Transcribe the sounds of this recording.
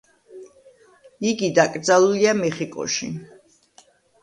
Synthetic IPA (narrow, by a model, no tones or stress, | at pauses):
iɡid̪akʼɾd̪zalˠuliamɛχikʼɔ̰ʃḭ